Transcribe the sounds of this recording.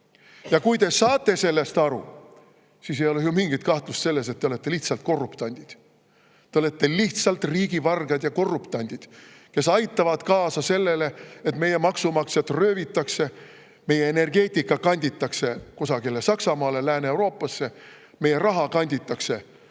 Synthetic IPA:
jɑkujt̪e̞sɑːt̪ːˑe̞se̞lːe̞st̪ɑɾṵ | siːsejo̞lejumiŋɡit̪̚kɑht̪lust̪se̞lːe̞set̪ːeole̞t̪ːe̞liht̪sɑlt̪̚ko̞rːupt̪ɑnʲd̪̥id̪̥ | t̪ːeole̞t̪ːe̞liht̪sɑlt̪riːɡ̥ivɑrɡ̥ɑd̪jɑko̞rːupt̪ɑnʲd̪̥id̪̥ | ke̞sɑjt̪ːˑɑvɑd̪̥kɑːsɑse̞lːe̞le̞et̪me̞je̞mɑksumɑkset̪røːvit̪ːˑɑkse̞ | me̞jeene̞rɡe̞ːt̪ʲikːɑkɑnʲd̪ʲit̪ːˑɑkse̞ko̞sɑɡilːesɑksɑmɑːle̞læːneewɾo̞ːpːˑɑsːe̞ | me̞je̞rɑɦɑkɑnʲd̪ʲit̪ːˑɑkse̞

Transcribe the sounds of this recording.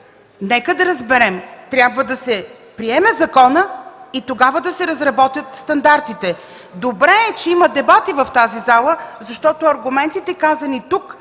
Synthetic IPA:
nɛkəd̪ɐɾɐzbɛɾɛmt̪ɾʲjabvəd̪ɐsɛ | pɾiɛmɛzɐkɔnəit̪oɡavəd̪ɐsɛɾɐzɾɐbɔt̪jət̪st̪ɐnd̪aɾt̪it̪ɛ | d̪obɾɛːt͡ʃɛimɐd̪ɛbat̪ivɐft̪azizalˠəzɐʃt̪ɔt̪oɐɾɡʊmɛnt̪it̪ɛkazənit̪uk

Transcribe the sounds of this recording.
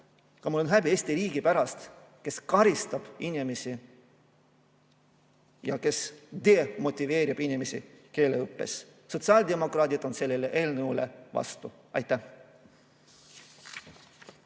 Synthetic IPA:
kɑmulːonɦæbieːsʲt̪iɾiːɡ̥ipæɾɑst̪ | ke̞skɑɾist̪ɑb̥inʲimesi | jɑke̞sd̪̥eːmo̞t̪ʲːˑive̞ːɾib̥inʲimesḭke̞ːleɯpːe̞̰s | so̞t̪sɑːld̪e̞mo̞krɑːt̪ʲid̪̥o̞nse̞lːeleʔe̞ːlnəule̞̰vɑ̰st̪u | ɑ̰jt̪ˑːæh

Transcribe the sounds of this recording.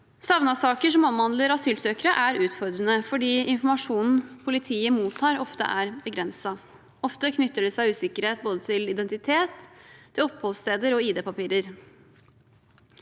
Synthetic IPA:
sɑʋnɑsɑːkəʂɔmɔmhɑnd̪ləɾɑsyːlsøːkəɾəʔæɾʉːt̪fɔɾd̪ɾənəfɔɖiːɪnfɔmɑʂuːnn̩pʰʊlɪt̪ʰiːəmuːt̪ʰːɑːɾɔft̪ə̰ʔæɾbəɡɾɛnsɑ | ɔft̪əkʰnʏt̪ːəɖɛsæɪʉːsɪkəɾheːt̪̚boːd̪ət̪ʰɪlɪd̪ɛnt̪ɪt̪ʰeːt̪ʰːɪlɔpːhɔlst̪eːd̪əɾɔiːd̪eːpɑpiːɾəɾ

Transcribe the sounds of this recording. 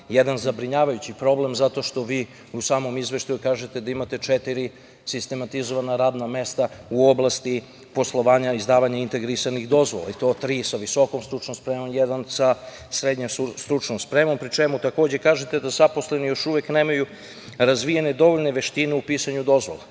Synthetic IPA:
jed̪anzabɾiɲaːʋajut͡ɕipɾo̞ble̞mzat̪o̞ʃt̪o̞ʋiː | usaːmo̞mizʋe̞ʃt̪ajukaːʒet̪e̞d̪aimat̪e̞t͡ʃet̪iɾi | sist̪e̞mat̪izo̞ʋanaɾaːd̪name̞st̪auo̞blˠast̪i | po̞slˠo̞ʋaːɲaizd̪aːʋaɲaint̪e̞ɡɾisanixd̪o̞zʋola̰it̪ot̪ɾiːsaʋiso̞ko̞mst̪ɾut͡ʃnomspɾeːmonjed̪ansa | sɾed̪ɲemsust̪ɾut͡ʃnomspɾemompɾit͡ʃe̞mut̪ako̞ːd͡ʑe̞kaːʒet̪e̞d̪azapo̞sle̞nijo̞ʃuʋe̞kneːmaju | ɾazʋijene̞d̪o̞ʋo̞ʎne̞ʋe̞ʃt̪ineupiːsaɲud̪o̞zʋo̞̰la

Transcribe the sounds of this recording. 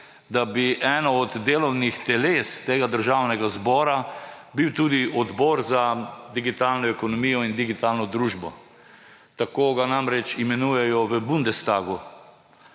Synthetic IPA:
d̪abiʔɛːnɔɔd̪ːeːlɔwnixt̪ɛleːst̪eːɡad̪əɾʒawnɛɡazbɔːɾabiwt̪uːd̪iʔɔd̪bɔːɾzad̪iɡit̪aːlnɔɛkɔnɔmijɔind̪iɡit̪aːlnɔd̪ɾuːʒbɔ | t̪akoːɡanamɾɛt͡ʃimɛnuːjɛjɔʋəbund̪ɛst̪aːɡu

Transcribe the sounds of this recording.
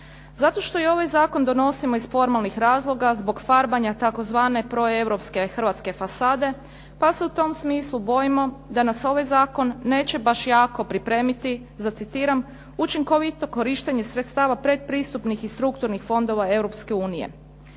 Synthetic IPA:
zat̪o̞ʃt̪o̞io̞ʋajzaːko̞nd̪o̞no̞simo̞izfo̞ɾmalˠnixɾaːzlˠo̞ɡazbo̞ɡfaɾbaɲat̪ako̞zʋaːne̞pɾo̞e̞wɾo̞pske̞xr̩ʋat̪ske̞fasaːd̪e̞ | pase̞ut̪o̞msmiːslˠubo̞jimo̞d̪anaso̞ʋajzaːko̞nːe̞ːt͡ɕe̞baʃjaːko̞pɾipɾe̞ːmit̪i | zat̪sit̪iːɾam | ut͡ʃiŋko̞ʋit̪o̞ko̞ɾiʃt̪eɲe̞sɾet̪st̪aːʋapɾed̪̚pɾiːst̪upnixist̪ɾukt̪uɾnixfo̞nd̪o̞ʋae̞wɾo̞pske̞uːnijḛ

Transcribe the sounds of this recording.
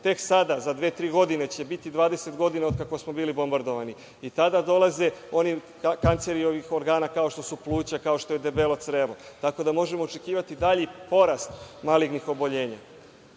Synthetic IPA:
t̪e̞ksad̪azad̪ʋe̞ːt̪ɾiːɡo̞d̪ine̞t͡ɕe̞bit̪id̪ʋaːd̪e̞se̞t̪ɡo̞d̪inaokakosmo̞biːlibo̞mbaɾd̪o̞ʋani | it̪ad̪ad̪o̞lˠaze̞o̞ni | kant̪se̞ɾio̞ʋixo̞ɾɡaːnakaoʃt̪o̞suplˠuːt͡ɕakao̞ʃt̪o̞jed̪e̞belo̞t̪sɾelot̪ako̞d̪amo̞ʒe̞mo̞ːt͡ʃekiːʋat̪id̪aʎipo̞ɾast̪maliɡnixo̞bo̞ʎe̞ːɲa̰

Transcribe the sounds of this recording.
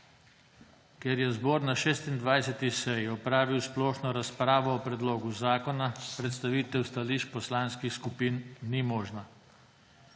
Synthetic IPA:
kjɛɾjɛzbɔːɾnaʃeːst̪ind̪ʋajsɛt̪isɛjɔpɾaːʋiwsplɔːʃnɔɾaspɾaːʋɔːpɾɛd̪loːɡuzaːkɔnapɾɛt̪st̪aʋiːt̪ɛwst̪aliːʃpɔslaːnskixskupiːnːimɔːʒna

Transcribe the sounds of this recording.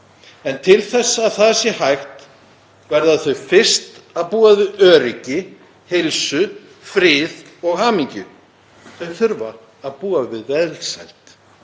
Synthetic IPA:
ɛnt̪ʰɪlθɛsːaaːðθasɪhajxt̪ | vɛɾðaθœɥfɪr̥st̪aðpuːavɪðœːɾɪcɪ | hejlsʏ | fɾɪːðɔɣhaːmiɲcʏ | θœɥθʏɾvaː | ðpuːavɪðvɛðɾsa̰jlt̪

